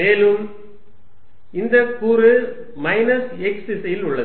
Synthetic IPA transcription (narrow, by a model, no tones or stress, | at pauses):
meːlɯm | ɪnd̪ɐkuːɾɯ | mɐɪnɐsɛksɪsɐjɪlʊɭːɐð